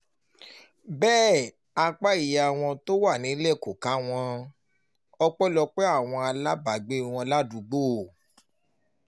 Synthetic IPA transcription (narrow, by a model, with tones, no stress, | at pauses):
bɛː˦˨ | a˧k͡pa˦i˨ja˨w̃ɔ̃˧to˦wa˦˨nĩ˨˦le˦˨ko˨ka˨˦w̃ɔ̃˧ | ɔ˧k͡pɔ˦lɔ˧k͡pe˦a˦˨w̃ɔ̃˧a˧la˦ba˨ɡ͡be˦i˨w̃ɔ̃˧la˦du˧ɡ͡boː˦˨